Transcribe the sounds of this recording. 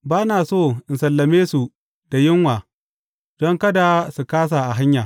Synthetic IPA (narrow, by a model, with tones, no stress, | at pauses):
baː˦naː˨soː˦˨ʔɪ˨nsɐ˨lːɐ˨meː˦su˨ | d̥a˨jɪ˦ŋwaː˨ | d̥ɔ˦ŋkɐ˦da˨su˨kaː˦s̬a˨ʔa˨ɦa˦ɲjaː˨